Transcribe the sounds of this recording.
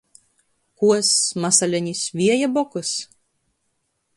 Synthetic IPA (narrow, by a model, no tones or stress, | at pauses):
kuɔsmasɐlʲɛnʲisʋʲiɛjɛbɔkʊs